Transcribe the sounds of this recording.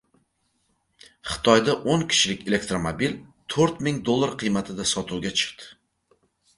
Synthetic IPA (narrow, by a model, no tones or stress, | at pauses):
χɨ̥t̪ʰɒjd̪aʔoŋkʲʰɪ̥ʃlɪkʲe̞le̞kt̪ɾomobilt̪ʰoɾt̪mɪŋd̪olˠːaɾqʰɨjmat̪ʰɪd̪asɒt̪ʰuwɡʲat͡ʃʰɪ̥qt̪ɪ̥